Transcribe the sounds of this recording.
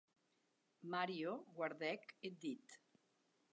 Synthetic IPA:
maɾioɣwaɾðɛked̪it̪

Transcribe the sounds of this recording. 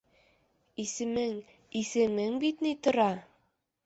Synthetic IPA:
isɘ̆mɘŋ | isɘ̆mɘŋbit̪nit̪ŏɾɑ

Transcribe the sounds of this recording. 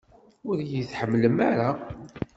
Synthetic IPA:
ʊɾjiθħəmːləmaɾa

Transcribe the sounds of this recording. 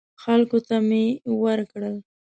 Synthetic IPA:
xalkot̪amewəɾkɽəl

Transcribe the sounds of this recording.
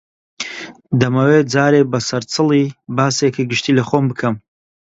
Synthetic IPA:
d̪ɐmɐwed͡zaːɾeːbɐsɐɾt͡sʰɨlˠibaːsekʰiɡɨʃt̪ʰiːlɐχoːmbɨkʰɐm

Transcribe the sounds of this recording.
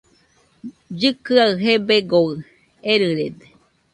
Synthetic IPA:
d͡ʒɨkɨaɨɦebeɡoɯ | eɾɨɾed̪e

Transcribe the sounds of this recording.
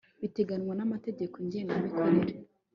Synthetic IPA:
βite̞ɡanŋwanamate̞ɟe̞koɲɟeːŋɡamikʰoɾeɾe

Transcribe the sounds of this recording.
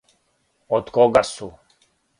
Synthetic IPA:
ɔt̪kɔɡasu

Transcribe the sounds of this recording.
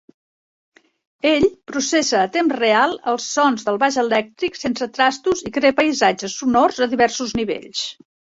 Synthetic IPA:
eʎpɾusesəːt̪emzrealˠəlˠsɔnzðəlˠβaʒəlɛk̚t̪ɾiksensət̪ɾast̪uzikɾepəjzad͡ʒəsːunɔrzəðiβɛrsuzniβḛʎs

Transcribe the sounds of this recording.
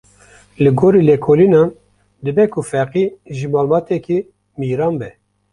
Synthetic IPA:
lɨɡoːɾiːlɛkʰoːlinɑːn | d̪ɨbɛkʰʊfɛqiʒɨbɑːlbɑːt̪ɛki | miːɾɑːnbɛ

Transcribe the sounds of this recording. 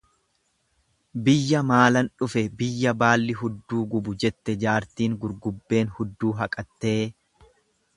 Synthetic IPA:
bɪjːɐmaːlɐnᶑʊfɛbɪjːɐbaːlːɪɦʊd̪ːuːɡʊbʊd͡ʒɛt̪ːɛd͡ʒaːɾt̪iːŋɡʊɾɡʊbːe̞ːnhʊd̪ːuːɦɐkʼɐt̪ːe̞ː

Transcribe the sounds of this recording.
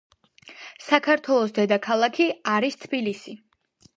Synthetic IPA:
sakʰaɾt̪ʰwɛlˠɔsd̪ɛd̪akʰalˠakʰiaɾist̪ʰbilisi

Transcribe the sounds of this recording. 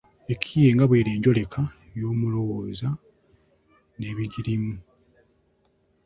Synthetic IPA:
e̞kʰije̞ːŋɡaβwe̞ːɾeːɲɟo̞le̞kʰa | jo̞ːmulo̞woːza | ne̞ːβiɟiɾimu

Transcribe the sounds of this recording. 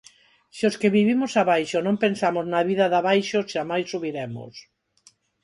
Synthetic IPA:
sioskeβiβimosaβajʃonõmpensamoznaβiðaðaβajʃoʃamajsːuβiɾemo̰s

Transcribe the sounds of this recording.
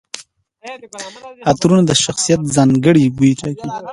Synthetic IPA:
at̪ɾunad̪əʃaxsijat̪̚zɑŋɡəɽibut̪aki

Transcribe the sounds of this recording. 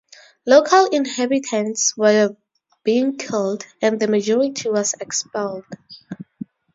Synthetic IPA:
lokʰalĩnhɛbitʰɛ̃nswɛ | b̥iĩŋkʰɪldɛ̃nðəmad͡ʒɔɹitʰiwɔsɛkspɛld̥

